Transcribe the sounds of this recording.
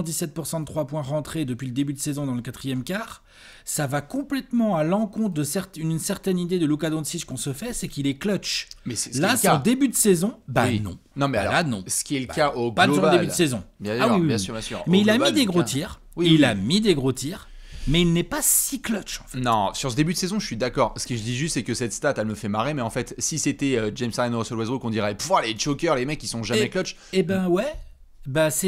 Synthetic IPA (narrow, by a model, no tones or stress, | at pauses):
d̪isɛt̪̚puʁsɑ̃d̪ət̪χwapwɛ̃ʁɑ̃t̪χed̪əpɥiləd̪ebyd̪əsezɔ̃d̪ɑ̃ləkat̪χijɛmkaːʁ | savakɔ̃plɛt̪mɑ̃alɑ̃kɔ̃t̪χd̪əsɛʁt̪ynynsɛʁt̪ɛnid̪ed̪əlukad̪ɔ̃d̪siʃkɔ̃səfɛsɛkilɛklœt͡ʃmɛlasɑ̃d̪ebyd̪əsezɔ̃banɔ̰̃nɔ̃mɛalɔ̰lanɔ̰̃sə̥kʲiɛləkaoɡpaʁd̪elbydəsezɔ̃bjɛ̃saiwijɛ̃syʁbjɛ̃sy̰ːʁmɛilamid̪eɡʁot̪ʰiʁ | wilamid̪eɡʁot̪iʁ | mɛilnɛpasiklɔt͡ʃɑ̃fnɔ̃syʁsəd̪ebyd̪əsezɔ̃əʃɥid̪akɔːʁsə̥kəʒəd̪iʒyst̪sɛkəsɛt̪st̪at̪ɛlməfɛmaʁemɛɑ̃fɛt̪siset̪ɛød͡ʒɛmsajanoʁɔsɔlwazʁokɔ̃d̪iʁɛpvalet͡ʃokʲœʁlemɛkʲːisɔ̃ʒamɛklɔt͡ʃ | ebɛ̃wɛ | basɛ